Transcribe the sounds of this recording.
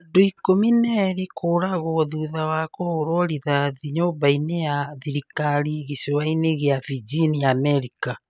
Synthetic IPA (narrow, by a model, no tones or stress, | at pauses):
ndoikominɛɾikʰoːɾaɣɔðuðawakɔoɾɔɾiðaðiɲobainejaðiɾikaɾiɣisewaineɣeavid͡ʒinijamɛɾika